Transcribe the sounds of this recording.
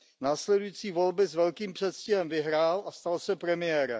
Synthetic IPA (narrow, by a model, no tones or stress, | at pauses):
naːslɛdujit͡siːvo̞lbɪzvɛlkiːmpr̝̥ɛt̪scɪɦɛmvɪɦɾaːlʔast̪alsɛpɾɛmɪjɛːɾɛ̰